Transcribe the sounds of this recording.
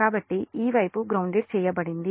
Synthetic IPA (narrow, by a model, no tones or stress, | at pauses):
aːbɐʈːiʔiːʋɐjpuɡɾɐwɳɖiɾt͡ʃɛːjɐpɐɽind̪i